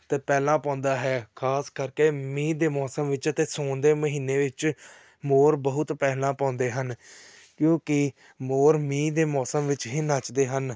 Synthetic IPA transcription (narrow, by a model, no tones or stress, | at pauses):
t̪eːpɛːlãːpãːnd̪aːɦɛːkʰaːskəɾkeːmĩːd̪eːmɔːsəmʋɪt͡ʃət̪eːsõːnd̪eːməɦiːnːeːʋɪt͡ʃ | moːɾbəɦʊt̪pɛːlãːpãːnd̪eːɦən | kjõːkɪ | moːɾmĩːd̪eːmɔːsəmʋɪt͡ʃɦiːnaːt͡ʃd̪eːɦən